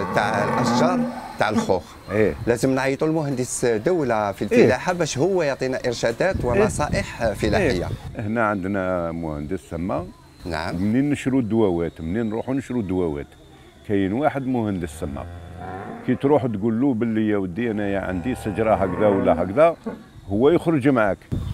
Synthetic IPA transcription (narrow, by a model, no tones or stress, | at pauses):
t̪aʕlʔæʃʒɑɾˤt̪aʕlxʊx | ilæzəmnʕit̪ˤulmʊhənd̪əsd̪æwlafilfəlaħabæʃhəwːæjɑʕt̪ˤinæʔəɾʃæd̪æt̪wəmɑsˤɑʔəħfəlaħəjːa̰ʔəhnæʕənd̪næmʊhənd̪əsəmːa | na̰ʕəmmninːəʃɾud̪wæwæt̪mninɾˤuħunəʃɾud̪wæwæ̰t̪ | kæjənwaħəd̪mʊhənd̪əsəmːa̰ | kæt̪ɾuħt̪ɡulːubəlːəjæwəd̪iʔænæjaʕə̰nd̪isəd͡ʒɾˤɑɦækd̪æwəlːæɦækd̪æ | hʊwːæjəxɾəʒmʕak